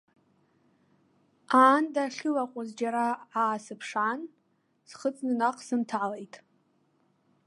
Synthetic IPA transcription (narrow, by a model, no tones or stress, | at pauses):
aːndaχʲɪlaqʷʼʊzd͡ʒaɾaːsɨpʰʂan | sχət͡sʼnɨnaqʼsɨntʰaʕlejtʼ